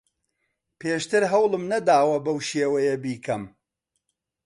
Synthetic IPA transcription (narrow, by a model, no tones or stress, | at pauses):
pʰeːʃt̪ɨɾɦɐwlˠɨmnɐd̪aːwɐbɐwʃeːwɐjɐbiːkʰɐm